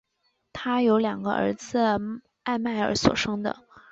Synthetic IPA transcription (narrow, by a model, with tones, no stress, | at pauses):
t̪ʰa˥jo˧˥ʊljɑ˨˩ŋɡə̰˦ʔə̰˞˧˥d͡zɹ̩˧ | a˥˧ɪma˥˩ɪə̰˞˧˥swɔ̰˨˩ʂɤ˥ŋd̪ə̰˨